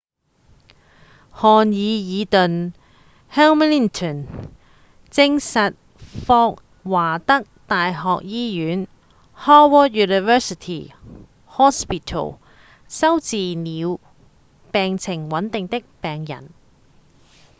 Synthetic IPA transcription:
hɔː˨˧njiː˨˧jiː˨˧t̪ɵ˨n | hɛː˥wmli˥nt̪ʰɔ˨˩n | t͡sɪ˧ŋsɐ˨t̚ | fɔː˧k̚ | waː˨˩t̪ɐ˥k̚t̪aː˨jɦɔː˨k̚jiː˥jyː˨˥n | hɔː˥wɔ˥t̚juː˨ni˨fɛː˥si˨t̪ʰḭ˨ | hɔː˥spi˨t̪ʰo̰˨˩w | sɐ˥wt͡siː˨niː˨˧w | pɛː˨ŋt͡sʰɪ˨˩ŋwɐ˨˥nt̪ɪ˨ŋt̪ɪ˥k̚pɛː˨ŋjɐ̰˨˩n

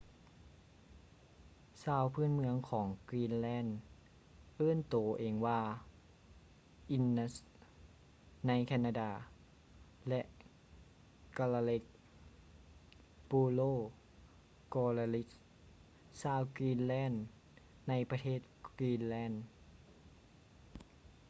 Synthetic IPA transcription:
saː˧˨wpʰɯː˥˨nmɯ˧əŋkʰɔː˩˦ŋkwiː˧˥˨nlɛː˥˨n | ʔɤː˧˥˨nt̪oː˨˩˦ʔeː˨ŋwaː˧ | ʔi˧˥nːa˧˥s | na˧˥jkʰɛː˧naː˧daː˧˩ | lɛ˧ʔ | ka˧la˧le˧k̚ | puː˧loː˧˥˩ | kɔː˧la˧li˦˥s | saː˧˨wkiː˧˥nlɛː˥˨nː | a˧˩jpa˧t̪ʰeː˥˩t̪̚kwiː˧nlɛː˧˥˩n

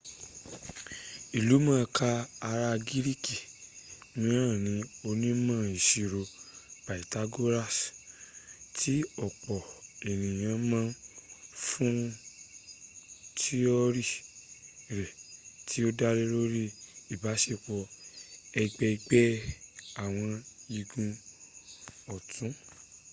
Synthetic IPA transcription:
i˨lu˨˦mã˦˧kaː˧ɾa˧ɡi˦ɾi˦ki˨ | mĩ˧ɾã˦˨nĩ˨˧˦o˧nĩ˦mã˦i˨ʃi˨ɾo˨b̥a˨i˨ta˦ɡo˦ɾa˦˨s | tʰi˦ɔ˦˨k͡pɔ˨e˨nĩ˨j̃ã˧mã˦fũ˦ | ti˦ɔ˦ɾi˦˨ | ɾɛ˨tʰi˦o˦da˦ɾe˦ɾo˦ɾi˦i˦˨ba˨˦ʃe˦˨k͡pɔ˧ | ɛ˧ɡ͡bɛ˧ɡ͡bɛ˦a˦˨w̃ɔ̃˧i˧ɡũ˧ | ɔ˨tũ˨˦

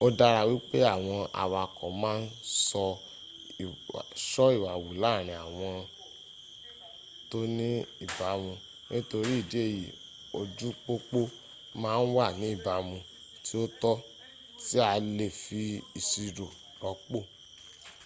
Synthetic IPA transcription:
o˦da˧ɾa˧wi˦k͡pe˦a˦˨w̃ɔ̃˧a̰˨wa˧kɔ̃˨mãː˦n̩˦sɔ˧˨ | ʃɔ˦i˦˨wa˨wu˨laː˦˨ɾ̃ĩ˨a˨w̃ɔ̃˧ | to˦nĩ˦i˦˨ba˨˦mũ˧ | nĩ˦to˧ɾi˦i˦˨di˨˦e˦˨jḭ˨ | o˧d͡ʒu˦k͡po˦k͡po˦ | mãː˦n̩˦wa˦˨nĩ˨˦i˦˨ba˨mũ˧ | ti˦o˦tɔ˦ | ti˦a˧le˦˨fi˧i˨si˧ɾo˨ | ɾɔ˨˧˦k͡po˦˨

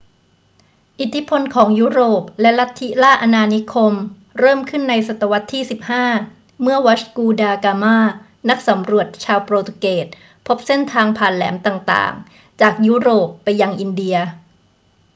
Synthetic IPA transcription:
ʔi˨˩t̪ʰːi˦˥pʰo˧nkʰɔː˩˦ŋjuː˦˥ɾoː˨˩p̚lɛ˦˥la˦˥t̪ʰːi˦˥laː˥˩ʔa˧naː˧ni˦˥kʰo˧m | ɾɤː˥˩mkʰɯ˥˩nːa˧jsa˨˩t̪ːa˧wa˦˥t̪ʰːiː˥˩si˨˩p̚haː˥˩ | mɯ˥˩ɐwa˦˥t͡ɕkuː˧daː˧kaː˧maː˥˩ | na˦˥k̚sa˩˦mɾu˨˩ət̪̚t͡ɕʰaː˧wpɾoː˧t̪keː˨˩t̪̚ | pʰo˦˥p̚se˥˩nt̪ʰaː˧ŋpʰaː˨˩nlɛ̰ː˩˦mt̪aː˨˩ŋt̪a̰ː˨˩ŋ | t͡ɕaː˨˩k̚juː˦˥ɾoː˨˩pːa˧jːa˧ŋʔi˧ndi˧ɐ

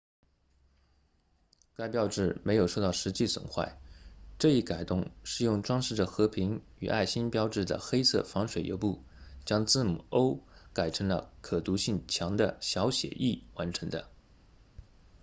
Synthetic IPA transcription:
ka˥ɪpjɑ˥ʊʈ͡ʂɻ̩˥˩me˧˥ɪjo˨˩ʊʂo˥˧t̪ɑ˥˩ʊʂɻ̩˧˥t͡ɕi˥˩swə̰˨˩nxwa̰˥˩ɪʈ͡ʂɤ˥˧i˥˩ka˨˩ɪt̪ʊ˥˩ŋʂɻ̩˥˧jʊ˥˩ŋʈ͡ʂwɑ˥ŋʂɻ̩˥˩də˩xɤ˧˥pʰi˧˥ŋ | y˨˩ʔa̰˥˩ɪɕi˥npjɑ˥ʊʈ͡ʂɻ̩˥˩d̪ə̰˩xe˥ɪt͡sʰɤ̰˥˩fɑ˧˥ŋʂwe˨˩ɪjo̰˧˥pu˥˩ | t͡ɕjɑ˥ŋt͡sɹ̩˥˩mu˨˩o˥ʊka˨˩ɪʈ͡ʂʰɤ˧˥ŋlə̰˧kʰɤ˨˩t̪u˧˥ɕi˥˩ŋt͡ɕʰjɑ˧˥ŋd̪ə˧ɕjɑ˧˥ʊɕjɛ̰˨˩ʔi˥˩wa˧˥nʈ͡ʂʰɤ˧˥ŋd̪ə̰˧

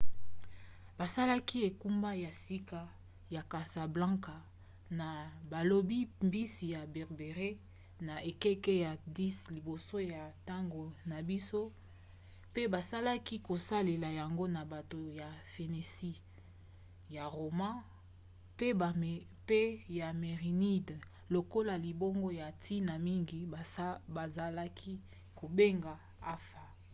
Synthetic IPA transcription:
ba˨sa˦la˦ki˦e˨ku˦mba˦ja˨si˦ka˦ | ja˨ka˨sa˨blã˦ka˨ | na˨ba˨lo˨bi˦mbi˦si˨ja˨bɛ˨ʁbe˨ʁe˦ | na˨ʔe˨kɛ˦ke˦ja˨di˦sli˨bo˨so˦ja˨ta˦ŋɡo˨na˨bi˦so˦ | pe˦ba˨sa˦la˦ki˦ko˨sa˦le˨la˨ja˨ŋɡo˦na˨ba˨to˨ja˨fe˨ne˨si˦ | ja˨ʁo˨mã˦ | pe˦˨ | pe˦ja˨me˨ʁi˨ni˦d | lo˨ko˦la˨li˨bo˦ŋɡo˦ja˨tʰi˦na˨mi˦ŋɡi˨ba˨za˨la˦kʰi˦ | ko˨be˦ŋɡa˨ | a˦fa˨

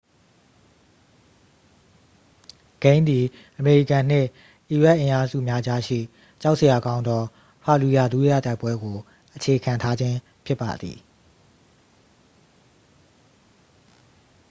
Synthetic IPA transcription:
ɡ̥ẽ˦ɪ̃nd̪i˨ | ʔəme˨ɹi˦˨kã˨n̥ɪ̰̃˦˨ʔ | ʔi˨ɹɛ˦ʔɪ̃˨ʔa˦zṵ˦˨mja˦d͡ʑa˦ʃḭ˦˨ | t͡ɕa˦ʊʔsə˨ja˨ɡã˦ʊ̃nd̪ɔ˦ | pʰa˨lu˨ja̰˦˨d̪u˦ja̰˦˨ta˦ɪpwɛ˦ɡo˨ | ʔət͡ɕʰe˨kʰã˨ntʰa˦d͡ʑɪ̃˦ | pʰjɪ˦pːa̰˨d̪ðḭ˨

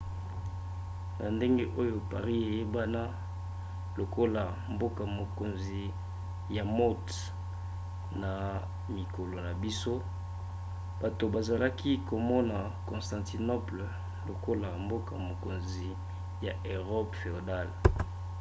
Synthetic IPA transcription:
na˨nde˦ŋɡe˦ʔo˦jo˨pa˨ʁi˦e˨je˦ba˦na˦ | lo˨ko˦la˨ | mbo˦ka˨mo˨ko˨nzi˨ | ja˨mo˦t | na˨ | mi˨ko˨lo˨na˨bi˦so˦ | b̥a˨to˨ba˨za˨la˦kʰi˦ko˨mɔ˦na˨ | kɔ̃˨nstã˨nti˨no˦pl | lo˨ko˦la˨mbo˦ka̰˨mo˨ko˨nzi˨ | ja˨ʔe˨ʁɔ˦pfe˨o˨da˦˨l

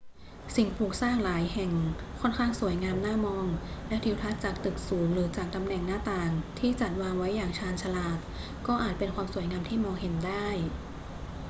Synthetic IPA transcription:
si˨˩ŋpʰuː˨˩k̚saː˥˩ŋlaː˨˩˦jhɛ˨˩ŋkʰɔ˥˩nkʰaː˥˩ŋsu˨˩˦əjŋaː˧mnaː˥˩mɔː˧ŋlɛ˦˥t̪ʰi˧˥wt̪ʰa˦˥t̪̚t͡ɕaː˨˩k̚t̪ɯ˨˩k̚suː˩˦ŋɾɯː˩˦t͡ɕaː˨˩k̚t̪a˧mnɛ˨˩ŋnaː˥˩t̪aː˨˩ŋt̪ʰiː˥˩t͡ɕa˨˩t̪̚waː˧ŋwa˦˥jːaː˨˩ŋt͡ɕʰaː˧nt͡ɕʰa˧laː˨˩t̪̚ | kɔː˥˩ʔaː˨˩t̪̚pe˧nkwaː˧msu˨˩˦jŋaː˧mt̪ʰiː˥˩mɔː˧ŋɦe˩˦ndaː˥˩j

